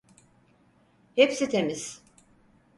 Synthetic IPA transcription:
hepsit̪ʰemiz̥

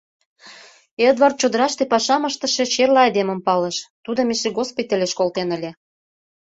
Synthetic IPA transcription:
ed̪vɑrt̪̚t͡ɕod̪əɾɑʃt̪epɑʃɑməʃt̪ə̆ʃet͡ɕerlɑɑd̪emə̆mpɑleʃt̪ud̪ŏmeʃeɣospijt̪əlʲeʃkolt̪enə̆lʲĕ

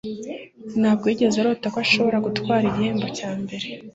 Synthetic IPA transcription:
naːb̚ɡeːɟe̞zaɾotakwaʃo̞βo̞ɾaɡutwaːɾiɟiheːmbo̞caːmbe̞ɾe̞

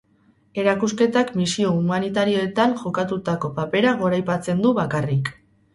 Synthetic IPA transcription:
e̞ɾakuske̞t̪akmisio̞umanit̪aɾio̞e̞t̪aŋʝo̞kat̪ut̪ako̞pape̞ɾaɣo̞ɾajpat͡se̞nd̪uβakarik

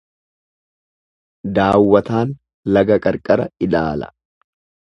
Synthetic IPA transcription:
d̪aːwːɐt̪aːn | lɐɡɐkʼɐɾkʼɐɾɐɪlaːlɐ̰

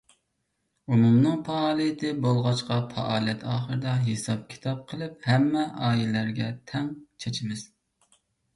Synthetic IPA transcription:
umumnɨŋpɑɑːlˠijɪt̪ʰɪbolˠʁɑt͡ʃqɑfʰɑ̰ʔɑːlˠijɛt̪ʰɑːχəɾɨd̪ɑɦesɑp̚kʲʰi̥t̪ʰɑp̚qʰəlˠɨp̚hɛmːɛʔɑːjilæɾɡʲɛt̪ʰɛŋt͡ʃʰet͡ʃʰɪmɪz̥

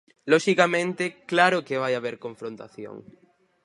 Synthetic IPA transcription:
lɔʃikamẽnt̪eklaɾʊkeβ̞ajaβ̞eɾkõɱfɾõnt̪a̰θjo̰ŋ

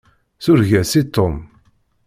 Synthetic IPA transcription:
θʊɾʝæsit̪ːom

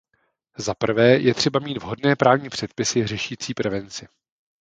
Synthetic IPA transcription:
zapr̩vɛːjʔɛt̪r̥ɛbamiːd̪vɦo̞dnɛːpɾaːvɲiːpr̝̥ɛt̪̚pɪsɪrɛʃiːt͡siːpɾɛvɛnt͡sɪ

